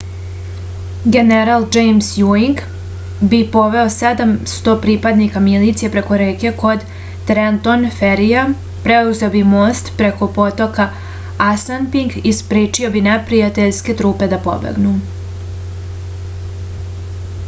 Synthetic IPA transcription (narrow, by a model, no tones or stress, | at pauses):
ɡe̞neɾald͡ʒejmsjuiŋɡ | bipo̞ʋe̞o̞sed̪amst̪o̞pɾipad̪nikamilit̪sijepɾe̞ko̞ɾeːke̞ko̞d̪ | t̪ɾent̪o̞nfeɾija | pɾeuze̞obimoːst̪pɾe̞ko̞po̞t̪o̞ka | asanpiŋɡispɾiːt͡ʃio̞binepɾijat̪eʎske̞t̪ɾuːpe̞d̪apo̞̰bḛɡnu